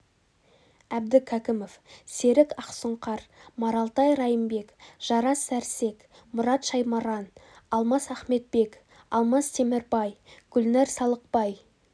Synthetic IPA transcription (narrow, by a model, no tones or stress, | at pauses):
æb̚d̪ɪkʲʰækʲɪmofse̞ɾɪkɑqsəɴqʰɑɾmɑɾɑlˠt̪ɑjɾɑjəmbe̞kʒ̥ɑɾɑsːæɾse̞k | mʊɾɑt̪ʃɑjmɑɾɑn | ɑlˠmɑsæχme̞t̪̚be̞k | ɑlˠmɑst̪ʰe̞mɪɾbɑjɡ̥ʏlnæɾsɑlˠəq̚pɑj